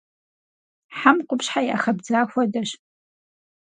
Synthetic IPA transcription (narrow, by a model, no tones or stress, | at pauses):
ħamqʷʼʊpʂħaja̰χɐbd͡zaːxʷadaʃ